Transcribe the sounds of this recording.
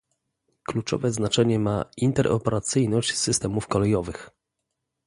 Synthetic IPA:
klut͡ʂɔ̰vɛznat͡ʂɛɲɛmaint̪ɛɾʔɔ̰pɛɾat̪sɘjnɔɕt͡ɕsɘst̪ɛmufkɔlɛjɔvɘx

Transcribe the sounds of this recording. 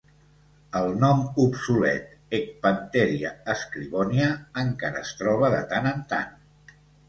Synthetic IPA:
əlˠnɔmupsulɛ̰t̪ | ek̚pənt̪ɛɾiaəskɾiβɔniəːŋkaɾəːst̪ɾɔβ̞əðə̰t̪anənt̪a̰n

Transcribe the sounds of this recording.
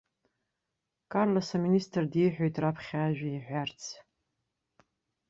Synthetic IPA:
kʼarlasaministʰʼrdiħʷᶣojtʰʼrapʰχʲaʒᶣʷaiħʷart͡sʰ

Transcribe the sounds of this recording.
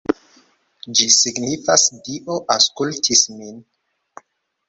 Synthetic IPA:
d͡ʒisiɡnifasdiʔo̞ʔaskultʰismin

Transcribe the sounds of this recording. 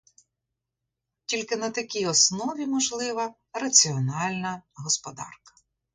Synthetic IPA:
tʲilʲkɪnɐt̪ɐkʲijɔsnɔʋʲimɔʒlˠɪʋɐ | rɐt͡sʲiɔnɑlʲnɐɦɔspɔd̪ɑ̰rkɐ̥

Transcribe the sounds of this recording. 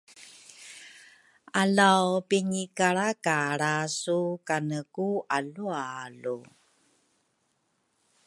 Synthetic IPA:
ʔalawpiɲikaɾakaɾasukanəkuʔalualu

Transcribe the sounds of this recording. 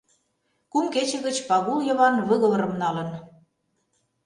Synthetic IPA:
kumket͡ɕə̆ɣə̆t͡ɕpɑɣuljɤ̆βɑnβɤ̆ɣɤ̆βɤ̆ɾə̆mnɑlə̆n

